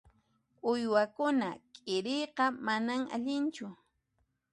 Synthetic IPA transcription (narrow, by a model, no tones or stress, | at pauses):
ʊjwakʊnakʼɪɾɪjqɑmanaŋa̰ʎɪnt͡ʃʊ